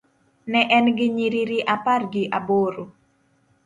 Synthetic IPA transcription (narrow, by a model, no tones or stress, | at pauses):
nɛʔɛnɡɪɲiɾiɾiʔaparɡɪʔaboɾo